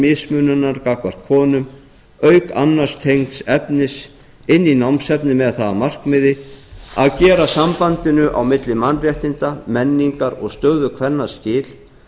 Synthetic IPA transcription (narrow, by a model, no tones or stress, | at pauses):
mɪsmʏnʏnaɾkakvar̥t̪̚kʰɔːnʏm | œɥka̰nːaɾ̥st̪ʰejŋt̪sɛpnɪs | ɪnːinawmsɛpnɪmɛðθaðamar̥kmɪðɪaðcɛːɾasampant̪ɪnʏʔa̰wmɪt̪lɪmanrjɛht̪ɪnt̪amɛnːiŋkaɾɔɣst̪œːðʏkʰvɛnːascɪːl̥